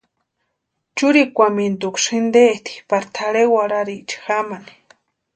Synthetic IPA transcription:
t͡ʃuɾikʷamint̪ukʃɨnd̪et̪ʰi̥paɾt̪ʰaɺewaɾaɾit͡ʃi̥xamani̥

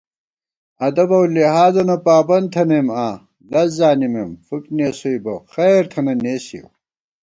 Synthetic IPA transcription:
ɐd̪ɐbɐwlihaːzɐnɐpaːbɐnd̪t̪ʰɐnemaː | lɐzzaːnimemfukneːsojbɐxejɾt̪ʰɐnɐneːsḭw

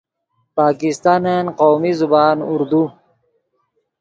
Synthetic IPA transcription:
paːkist̪aːnenqoːmizubaːnuɾd̪u

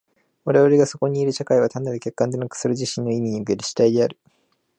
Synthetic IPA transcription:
βaɾe̞βaɾe̞ɡaso̞ko̞ɲ̟iːɾɯ̟ɕakaiβ̞at̪anːad̪ɯke̞kːãnd̪e̞nakɯ̟̥sɨɾɯ̟ʑiɕĩnːo̞imʲiɲ̟iɯke̞ɾɯ̟ɕi̥t̪aid̪e̞aɾɯ̟

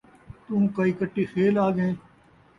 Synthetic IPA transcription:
t̪ũːkɐiːkəʈːiːxeːlaːɡẽː

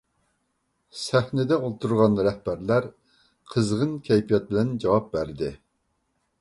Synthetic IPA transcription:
sæhnɪd̪ɛolˠt̪ʰuɾʁɑnɾɛhbæɾlæɾ | qʰəzʁənkʲʰɛjpʰijɑt̪̚bɪlɛnd͡ʒɑwɑp̚bæɾd̪ɪ

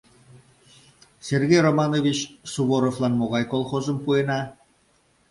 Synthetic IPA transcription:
sʲerɡʲejromɑnovʲit͡ɕsuβoɾovlˠɑnmoʁɑjkolˠχozə̆mpuenɑ

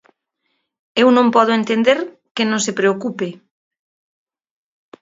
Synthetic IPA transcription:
ewnõmpɔð̞oent̪end̪eɾ | kenõŋsepɾeokupe

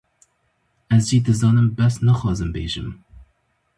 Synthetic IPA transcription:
ɛzd͡ʒiːd̪ɨzɑːnɨmbɛsnɛxɑːzɨmbḛːʒɨm

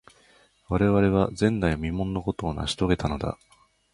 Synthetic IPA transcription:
βaɾe̞βaɾe̞β̞azẽ̞nːajmʲimõ̞nːo̞ko̞t̪o̞ːna̰ɕi̥t̪o̞ɡe̞t̪ano̞d̪a̰

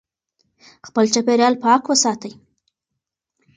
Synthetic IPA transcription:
xpəlt͡ʃapeɾjɑlpəakwəsɑt̪əj

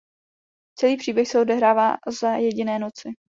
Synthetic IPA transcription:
t͡sɛliːpr̝̥iːbjɛxsɛodɛɦɾaːvaːzajɛɟɪnɛːno̞t͡sɪ

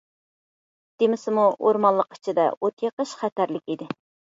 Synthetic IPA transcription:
d̪̥emɪsɪmuʔoɾmɑlˠəqʰɪ̥t͡ʃʰɪd̪ɛ̰ot̪ʰjeqəʃχæt̪æɾlɪkʲid̪ɪ

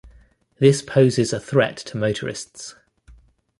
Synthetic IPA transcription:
ðɪspʰəʊzɪzəθɹɛ̰tʰəməʊtʰəɹɪ̰sts

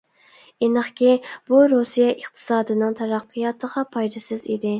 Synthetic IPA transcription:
enəχkʲib̥uɾusijɛʔəχt̪ʰɨ̥sɑːd̪ɨnɨŋt̪ʰæɾæqʰːɨjɑt̪ʰəʁɑpʰɑjd̪ɨsɨzid̪ɪ

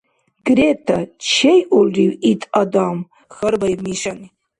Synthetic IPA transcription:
ɡretʰat͡ʃʰejʔulriwitʼadam | χərbajmiʃani

